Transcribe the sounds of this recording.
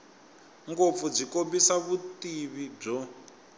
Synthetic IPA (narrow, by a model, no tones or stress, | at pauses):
ŋɡop̪fud͡zikombisaβutiβib͡ʐɔ